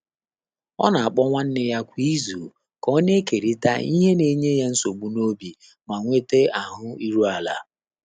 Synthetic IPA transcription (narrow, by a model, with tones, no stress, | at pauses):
ɔ̰˦na˨a˨k͡pɔ˦ŋʷa˦n̩˦nɪ˦ja˦kʷi˦zu˨ | kɔ˦ne˦ke˨ɾi˦ta̰˦i˦ɦe˦ne˨ɲe˦ja˦n̩˦so˨ɡ͡bu˦no˦bi˨ | ma˨ŋʷe˦te˦a˨ɦʊ˦i˦ɾu˦a˨la̰˨